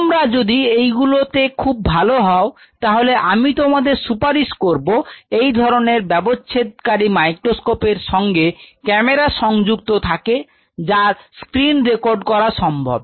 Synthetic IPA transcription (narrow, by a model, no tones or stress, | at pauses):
t̪omɾad͡ʑod̪iejɡulot̪ekʰub̚bʱaloɦɔo | t̪aɦoleʔamit̪omad̪eɾsupaɾiʃkoɾboejd̪ʱɔɾoneɾbɛboet̪̚kaɾimajkɾoskopeɾʃɔŋɡekɛmeɾaʃɔŋd͡ʑukt̪ot̪ʰake | d͡ʑaɾskɾinɾekoɾɖkɔɾaʃɔmbʱo̰b̚